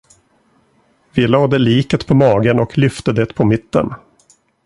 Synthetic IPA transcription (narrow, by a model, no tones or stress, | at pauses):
vɪlɑːd̪ɛliːkət̪pʰɔmɑːɡənɔkʰlʏft̪əd̪eːt̪pʰɔmɪt̪ːə̰n